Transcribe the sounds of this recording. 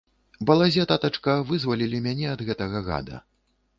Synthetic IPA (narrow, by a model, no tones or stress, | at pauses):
bɐlˠazʲɛt̪at̪ɐt͡ʂkɐvɨzvɐlʲilʲimʲanʲɛɐd̪ɣɛt̪ɐɣɐɣa̰d̪ɐ̰